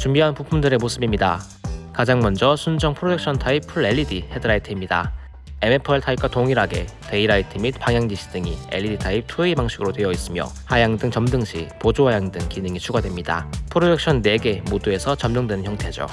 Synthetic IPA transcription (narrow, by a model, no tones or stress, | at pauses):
t͡ɕumbiɦanpupʰumdɯɾe̞mosʰɯbimɲida | kad͡ʑaŋmʌnd͡ʑʌsʰund͡ʑʌŋpʰɯɾodek̚ɕ͈ʰʌntʰaipʰuɭe̞ʎːidihe̞dɯɾaitʰiimɲida̰ | e̞mepʰɭtʰaip̚k͈watoŋiɾaɡe̞̰ | te̞iɾaitʰimipaŋjaŋɡiɕʰi̥d̥ɯŋḭe̞ʎːiditʰaip̚tʰuibaŋɕ͈ʰiɡɯɾotwe̞jʌis͈ɯmjʌ̰hajaŋdɯŋt͡ɕʌmdɯŋɕʰipod͡ʑoɦajaŋdɯŋkinɯŋit͡ɕʰuɡadwe̞mɲida̰pʰɯɾodek̚ɕ͈ʰʌnːe̞ɡe̞modue̞sʰʌt͡ɕʌmnoŋdwe̞nɯnçjʌŋtʰe̞d͡ʑo̰